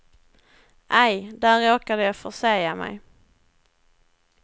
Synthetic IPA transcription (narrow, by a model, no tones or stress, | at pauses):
ʔɛjd̪æɾːoːkad̪əjɑfœʂejamɛ̰j